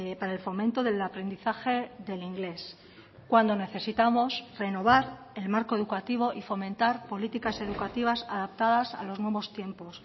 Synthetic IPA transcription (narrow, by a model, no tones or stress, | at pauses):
paɾaelfo̞mẽnt̪o̞ðe̞lapɾe̞nd̪iθaxe̞ðe̞liŋɡle̞s | kwand̪o̞ne̞θe̞sit̪amo̞sre̞no̞β̞aɾ | e̞lmaɾko̞e̞ðukat̪iβ̞o̞ʔifo̞mẽ̞nt̪aɾpo̞lit̪ikase̞ðukat̪iβ̞asaðap̚t̪að̞asa̰lo̞znwe̞β̞o̞st̪je̞mpo̞s